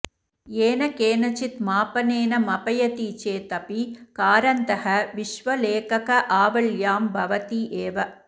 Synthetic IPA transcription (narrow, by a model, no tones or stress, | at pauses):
eːnɐkeːnɐt͡ʃit̪maːpɐneːnɐmɐpɐjɐt̪it͡ʃeːt̪ɐpikaːɾɐnt̪ɐɦɐʋiʃʋɐleːkɐkɐʔaːʋɐɭjaːmbʱɐʋɐt̪iʔeːʋɐ